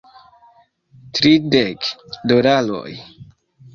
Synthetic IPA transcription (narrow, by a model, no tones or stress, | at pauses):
t̪ɾidekdoɾalo̰j